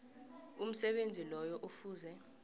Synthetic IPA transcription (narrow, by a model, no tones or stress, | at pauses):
um̩sɛɓend͡zʱilɔjɔʔufuːzɛ